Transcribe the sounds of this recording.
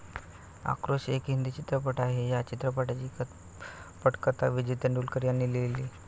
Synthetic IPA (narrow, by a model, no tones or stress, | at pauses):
a̰kɾoɕekɦind̪iːt͡ɕit̪ɾəp̬əʈaɦejat͡ɕit̪ɾəpəʈat͡ɕikət̪ | pəʈkət̪aʋid͡ʑʋit̪əɳɖulkəɾjanːiːleliː